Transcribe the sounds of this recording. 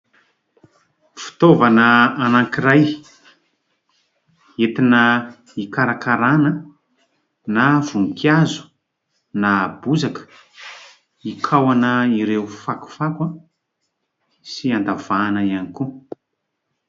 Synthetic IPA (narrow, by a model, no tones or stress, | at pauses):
fi̥t̪ovanəːnaŋkiɾaj | et̪inə | ikaɾakaɾanə | nav̥uŋkjazu̥ | nabuzakə̥ | ikʰawanəiɾewfaku̥fakwa | siand̪av̥anəianiku